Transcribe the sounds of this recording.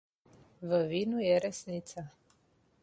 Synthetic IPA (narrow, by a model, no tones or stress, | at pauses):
vəvinujɛɾɛsnit̪sa